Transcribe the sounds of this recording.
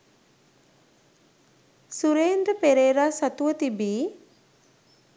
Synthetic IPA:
suɾeːnd̪upeɾeːɾaːsat̪uʋət̪ibiː

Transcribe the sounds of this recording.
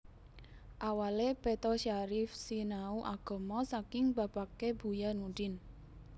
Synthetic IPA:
ʔawalepet̪ɔʃaɾɪfsinauʔaɡ̥ɔ̤mɔsakɪŋba̤b̥akeb̥ujanudɪn

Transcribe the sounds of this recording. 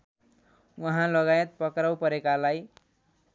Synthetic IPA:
wʌɦãlʌɡajʌt̪̚pʌkrawpʌɾekalaj

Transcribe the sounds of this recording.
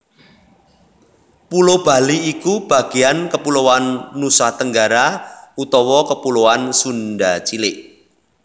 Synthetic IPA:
pulob̥a̤liːkub̥a̤ɡ̥i̤jankəpulowanːusaht̪əŋɡaɾaut̪ɔwɔkəpuloansunɖat͡ʃilɪʔ

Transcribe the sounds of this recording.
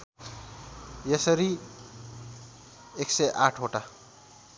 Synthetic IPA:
jesʌɾi | ekseʔaʈʰɦoʈa

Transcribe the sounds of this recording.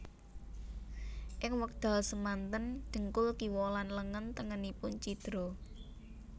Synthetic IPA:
ʔɪŋwək̚d̪̥a̤səmant̪ənd̥ə̤ŋkʊlkiwɔlanləŋənt̪əŋənipʊnt͡ʃid̪̥ɾɔ

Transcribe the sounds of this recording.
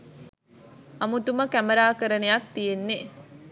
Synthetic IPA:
ɐmut̪uməkæmɐɾaːkəɾənejɐk̚t̪ijenːe

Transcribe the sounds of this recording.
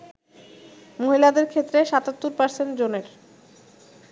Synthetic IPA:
moɦilad̪eɾkʰet̪ːɾeʃat̪at̪ːuɾpaɾsend͡ʑoneɾ

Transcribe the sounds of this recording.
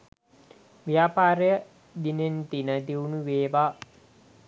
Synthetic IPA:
ʋijapaːɾejə | d̪inent̪inəd̪iunuʋeːʋaː

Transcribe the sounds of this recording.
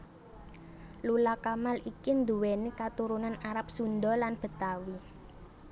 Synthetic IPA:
lulakamalikind̪uwenekat̪uɾunanaɾap̚sund̪ɔlanb̥ə̤t̪awi

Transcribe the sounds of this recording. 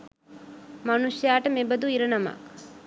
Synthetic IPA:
mɐnusjaːʈəmebɐd̪uiɾɐnɐma̰k

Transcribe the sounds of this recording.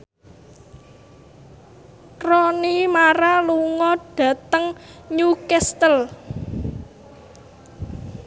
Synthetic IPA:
rɔnimaɾaluŋɔɖ̥ä̤t̪əŋɲukɛst̪əl

